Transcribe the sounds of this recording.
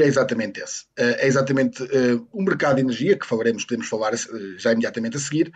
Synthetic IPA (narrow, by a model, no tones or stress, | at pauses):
ɛizat̪ɐmẽnt̪esɛʔɛizat̪ɐmẽnt̪ɨɛũmɨɾkaðuðinɨɾʒiɐkɨ̥fɐlˠɐɾemʊʃpuðemʊʃfɐlˠaɾɐsɛʒaimðjat̪ɐmẽnt̪ɐsɨɣiɾ